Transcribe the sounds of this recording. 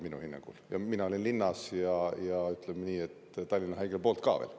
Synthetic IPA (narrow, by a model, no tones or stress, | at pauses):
minṵhinːɑ̰ŋɡ̥ṵljɑ̰minɑolinlinːɑsjɑjɑyt̪ːlemniːet̪ːt̪ɑlʲːinɑɦɑiɡelpo̞ːlt̪kɑ̰ːʋḛːl